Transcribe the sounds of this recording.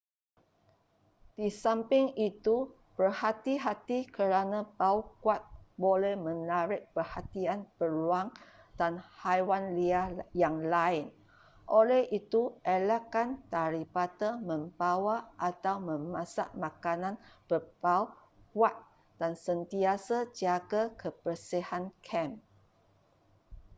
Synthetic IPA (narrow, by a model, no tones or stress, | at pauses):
d̥isampɪŋit̪u | pərhat̪iɦat̪ikəɾanãpaukwat̪̚bolɛhmə̃naɾɪʔ̚pərhat̪ianpəluaŋ | d̥anhajwanliajaŋlaɪn | ʔolɛhʔit̪uʔelakant̪aɾipat̪amə̃mbawaʔat̪awmə̃mãsa̰ʔmãkanãnbəpau | kwat̪̚ | d̥ansənt̪iasad͡ʒaɡakəpərsihankʰɛm